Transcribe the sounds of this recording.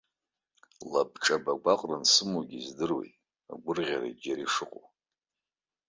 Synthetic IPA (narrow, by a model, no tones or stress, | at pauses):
lab̚ʈ͡ʂʼabaɡʷaqʼransɨmoɡʲizdɨrwḛjtʼ | a̰ɡʷʊrʁʲaɾa̰d͡ʒaɾiʂɨqʼo̰